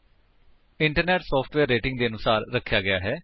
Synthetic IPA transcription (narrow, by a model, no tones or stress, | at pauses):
ɪɳʈəɾnɛːʈsɔːpʰʈʋɛːɾːeːʈɪ̃ŋɡd̪eːənʊsaːɾɾəkʰːjaːɡɪjaːɦɛː